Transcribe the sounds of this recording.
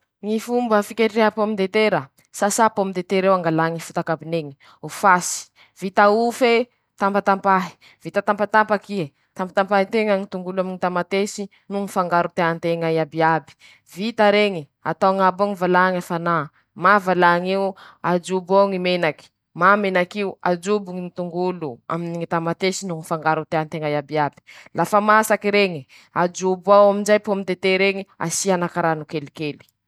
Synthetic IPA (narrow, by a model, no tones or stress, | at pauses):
ŋifumbəfikeɾieapamind̪et̪eɾə | sasapamind̪et̪eɾewaŋɡalaŋifut̪akabineŋi̥ | ufasi̥ | v̥it̪aufe | t̪ampat̪ampaɦi̥ | v̥it̪at̪ampat̪ampakie | t̪ampat̪ampaɦit̪eŋaŋit̪uŋɡulaminit̪amat̪esi | nuŋifaŋɡaɾut̪eant̪eŋaiabiabi̥ | vit̪aɾeŋi | a̰t̪awŋaboŋivalaŋafana | mavalaŋiuad͡ʒuboŋimenaki̥ | mamenakiuad͡ʒubuŋiit̪uŋɡulua̰miniŋit̪amat̪esinuŋifaŋɡaɾut̪eant̪eŋajabiabi̥lafamasakiɾeŋi | ad͡ʒubawaminzajpomit̪et̪eɾeŋia̰sianakaɾanukelikeli̥